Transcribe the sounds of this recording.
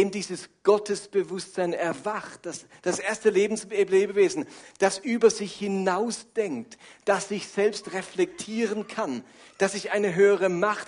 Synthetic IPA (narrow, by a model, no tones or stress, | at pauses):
eːmdiːzəsɡ̥ɔtəsb̥əvʊstz̥aɪnɛɐvaχt̚d̥as | d̥asʔeːɐstəleːbn̩sebleːbəveːzn̩d̥asʔyːbɐzɪçhɪnaʊsd̥ɛŋk̚td̥asz̥ɪçz̥ɛlpstʁeflɛk̚tʰiːʁənkʰan | d̥asɪçʔaɪnəɦøːəʁəmaχt